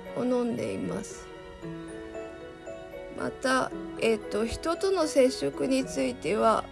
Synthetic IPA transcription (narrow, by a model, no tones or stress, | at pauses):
onõ̞nd̪e̞̰ḭma̰sɨ̥ | mʔa̰t̪ae̞t̪ːo̞çi̥t̪o̞t̪o̞no̞se̞ɕːokɯ̟ɲ̟it͡sɨit̪e̞βa